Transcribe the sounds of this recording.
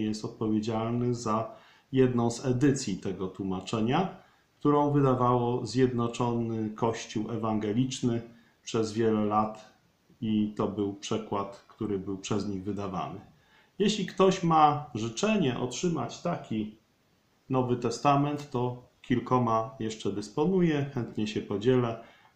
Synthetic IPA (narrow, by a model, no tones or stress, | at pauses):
jɛst̪ɔt̪̚pɔvʲjed͡ʑalnɘza | jɛd̪nɔ̃w̃zɛd̪ɘt̪sʲjit̪ɛɡɔt̪wumat͡ʂɛɲa | kt̪uɾɔ̃w̃vɘd̪avawɔzʲjɛd̪nɔt͡ʂɔnɘkɔɕt͡ɕuwɛvaŋɡɛlʲit͡ʂnɘ | pʂɛzvʲjɛlɛlat̪ | it̪ɔbɘwpʂɛkwat̪kt̪uɾɘbɘwpʂɛzɲiɣvɘd̪ava̰nɘ | jeɕlʲikt̪ɔɕmaʐɘt͡ʂɛɲɛʔɔ̰tʂɘma̰t͡ɕt̪akʲi | nɔvɘt̪ɛst̪amɛnt̪ːɔ | kʲilkɔmajɛʂt͡ʂɛd̪ɘspɔnujɛxɛnt̪ɲɛɕɛpɔd͡ʑɛlɛ